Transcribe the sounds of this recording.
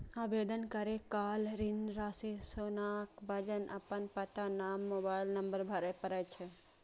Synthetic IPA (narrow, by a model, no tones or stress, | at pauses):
abed̪ənkəɾekalɾinɾasisonakbəd͡ʒənʔə̰pənpət̪anamːobailnəmbəɾbʱəɾəpəɾəjt͡ʃʰɛ